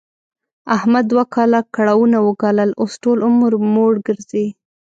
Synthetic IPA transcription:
ahmad̪ːwakɑlakaɽawunawəɡɑləlosʈolʊmɾmoɽɡəɾzi

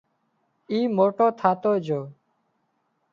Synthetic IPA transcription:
iːmoːʈoːt̪ʰaːt̪oːd͡ʒoː

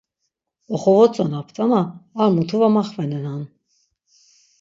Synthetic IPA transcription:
ɔχɔvɔt͡sʼɔnapʰt̪ʰʼanaːɾmut̪ʰuvamɑχvɛnɛnan

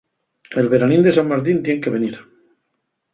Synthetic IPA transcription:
elβe̞ɾanĩnd̪e̞samːaɾt̪̬int̪jeŋke̞βeniɾ

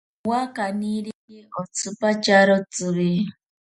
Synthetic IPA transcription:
wakaniɺiiɔt͡sʰupat͡ʃaɾɔt͡suβi

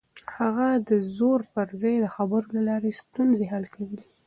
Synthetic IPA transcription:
haɣad̪əzoɾpəɾzɑjd̪əxabəɾolalɑɾest̪unzeɦalkʰawəli

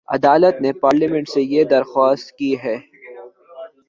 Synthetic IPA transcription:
ɐ̰d̪aːlət̪nepaːɾlimɛ̃ɳʈsejed̪ɐɾxɔːst̪kiɦɛː

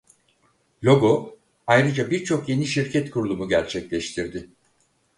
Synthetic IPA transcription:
lʲo̞ɡo̞ | ajɾɯd͡ʒabiɾt͡ʃʰo̞kje̞niʃiɾcʰɛt̪kʰuɾulˠumuɟæɾt͡ʃʰɛclʲɛʃt̪ʰiɾd̪ɪ

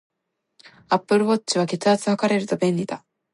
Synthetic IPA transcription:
apːɯ̟ɾɯ̟βo̞t͡ɕt͡ɕːiβ̞ake̞t͡sɨat͡sɨhakaɾe̞ɾɯ̟t̪o̞bẽ̞ɲʲːid̪a

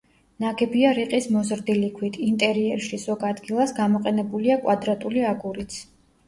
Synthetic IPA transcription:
naɡɛbiaɾiqʼismɔzɾd̪ilikʰwit̪ʰint̪ʼɛɾiɛɾʃizɔɡad̪ɡilˠasɡamɔqʼɛnɛbuliakʼwad̪ɾat̪ʼuliaɡuɾit̪sʰ

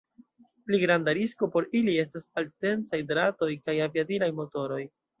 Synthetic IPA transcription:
pliɡɾandaɾisko̞po̞ɾilie̞stasalte̞nsajdɾato̞jkajaviadilajmo̞to̞ɾo̞j

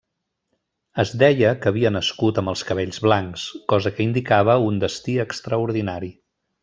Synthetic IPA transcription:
əzd̪ɛjəkəːβiənəskut̪əmbəlˠskəβ̞ɛʎzβlaŋkskɔzəkəind̪ikaβ̞əund̪əst̪iəkst̪ɾəuɾðinaɾi

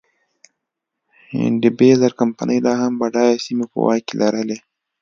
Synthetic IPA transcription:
hɪ̰ɳɖibezaɾkampa̰nʔəjlɑhambaɖɑjasimepə̰wɑ̰jkelʔaɾəle

